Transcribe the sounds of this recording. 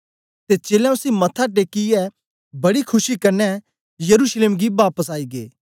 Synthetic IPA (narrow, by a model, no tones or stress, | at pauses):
t̪et͡ʃeːljãʊsimɐt̪ʰːaʈ̬eːkiɛ | bɐɽikʰʊʃikɐɾnɛ | jɐɾuːʃleːmɡiʋaːpəsaːiːɡḛː